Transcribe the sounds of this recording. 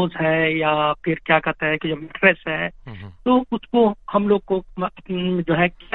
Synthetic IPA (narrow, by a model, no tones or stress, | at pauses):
zɦɛjapʰɪɾkjakɐɾt̪eɦɛkid͡ʒobmɪʈʰɾɛsɦɛt̪oːʊskohɐmloːɡ̚ko | d͡ʒoːɦɛk